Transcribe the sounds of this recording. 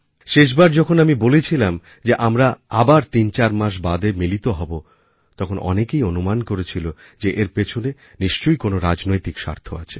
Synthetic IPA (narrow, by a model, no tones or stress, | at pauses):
ʃeʃ̬baɾd͡ʑɔkʰonamibolet͡ɕʰilam | d͡ʑeʔamɾaabaɾt̪int͡ɕaɾmaʃ̬bad̪emilit̪oɦɔbo | t̪ɔkʰonʔɔ̰nekejonumankoɾet͡ɕʰilo | d͡ʑeʔeɾpet͡ɕʰone | niʃt͡ɕojkonoɾad͡ʑnojt̪ikʃa̰ɾt̪ʰoa̰t͡ɕʰe̥